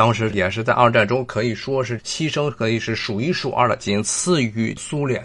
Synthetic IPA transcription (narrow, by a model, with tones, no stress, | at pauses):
ɑ˥ŋʂɻ̩˧˥jɛ˨˩ʂ̬ɻ̩˥˧t͡sa˥˧ɪɐ˞˥˧ʈ͡ʂa˥˩nʈ͡ʂʊ˥ŋkʰɤ˧˥i˨˩ʂwɔ˥ʂ̬ɻ̩˥˩t͡ɕʰi˥ʂɤ˥ŋkʰɤ˧˥i˨˩ʂɻ̩˥˩ʂu˨˩i˥˩ʂu˨˩ʔə̰˞˥˧˩ə̰˧˩t͡ɕi˥t͡sʰɹ̩˥˧y˥˩su˥ljɛ̰˥˩˦n